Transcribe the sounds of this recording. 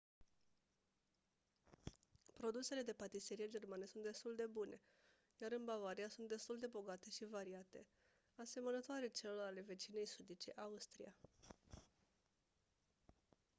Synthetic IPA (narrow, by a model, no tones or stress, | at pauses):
pɾo̞d̪use̞le̞d̪e̞pat̪iseɾijed͡ʒe̞rmanəsunt̪d̪e̞st̪uld̪e̞bunʔe̞ | jaɾɨnbavaɾiasunt̪d̪e̞st̪uld̪e̞bo̞ɡat̪e̞ʃivaɾiat̪e̞ | ase̞mənət̪oaɾe̞t͡ʃeloɾale̞ve̞t͡ʃine̞jsud̪it͡ʃe̞ʔaust̪ɾḭja